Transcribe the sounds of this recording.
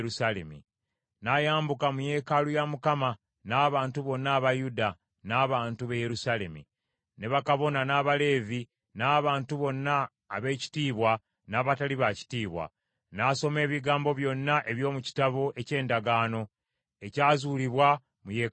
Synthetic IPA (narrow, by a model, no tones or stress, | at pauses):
usalḛmḭ | najaːmbukamuje̞ːkalujamukama | naːβaːntuβo̞nːaːβajuda | naːβaːntuβeje̞ɾusaːle̞mḭ | ne̞βakaβo̞nanaːβale̞ːvi | naːβaːntuβo̞nːaː | βe̞ːci̥tiːβwa | naːβataliβaci̥tiːβwa̰ | naso̞me̞ːβiɡaːmbo̞βjo̞nːaʔe̞βjo̞ːmuci̥taβo̞ʔe̞ce̞ːndaɡaːno̞ | e̞caːzuːliβwa | mujeː